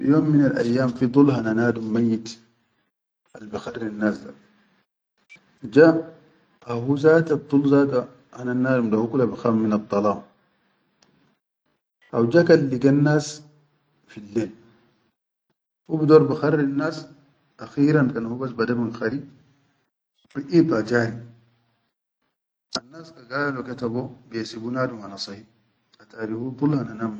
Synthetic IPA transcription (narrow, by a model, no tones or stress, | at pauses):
joːmːinalʔa̰jːaːmfid̪ˤulɦananaːd̪umːajːit̪ | ʔalbixarːinːaːsd̪a | d͡ʒa | ahuzaːt̪ab̚t̪ˤulzaːd̪a | hananaːdumd̪ahukulːabixamːinɑd̪ˤːɑlɑːm | ʔawd͡ʒakalːiɡanːaːs | filːeːl | hubidoɾbixarːinːas | axiːɾankanhubasbadaminxaɾi | ɾiʔit̪ad͡ʒaːɾi | anːaːskaɡaːloket̪abobesibunaːdumanasɑhi | at̪aɾihut̪ulhananam